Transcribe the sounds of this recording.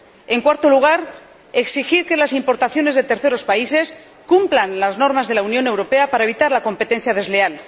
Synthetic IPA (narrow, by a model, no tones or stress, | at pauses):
e̞ŋkwaɾt̪o̞luɣ̞aɾ | e̞ksixiɾke̞lasimpo̞ɾt̪aθjo̞ne̞zðe̞t̪e̞ɾθe̞ɾo̞spaise̞s | kumplanlazno̞ɾmazðe̞launjo̞ne̞wɾo̞pe̞apaɾaeβit̪aɾlako̞mpe̞t̪e̞n̟θjað̞e̞zle̞al